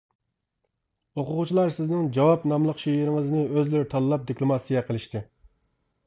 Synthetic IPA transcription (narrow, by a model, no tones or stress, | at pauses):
oqʊʁʊt͡ʃʰilˠɑɾsɪznɪŋd͡ʒɑwɑpnɑmlˠəqʃejiɾɪŋəznɨøzlyɾt̪ʰɑlˠːɑp̚d̪iklˠomɑsijɛqʰəlˠɨʃt̪ɨ